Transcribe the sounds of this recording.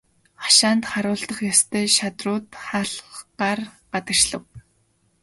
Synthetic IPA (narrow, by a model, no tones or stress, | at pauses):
χḁʃaːnt̪χaɾʊːɮt̪ə̆χjast̪ʰeːʃat̪rʊːt̪χaːɮɢaːrɢat̪ə̆r̥t͡ɕɮə̆w